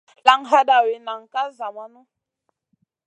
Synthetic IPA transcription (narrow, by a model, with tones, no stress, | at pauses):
la˨ŋɦa˦ɗa˨we˨na˨ŋ˨ka˦za˨ma˦nu˦